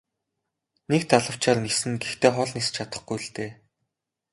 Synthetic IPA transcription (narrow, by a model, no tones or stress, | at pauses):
nekt̪ʰaɮə̆w̥t͡ɕaːrnesɘ̆nɡext̪ʰeːχɔɮnist͡ɕʰat̪ə̥̆χɡujɮt̪eː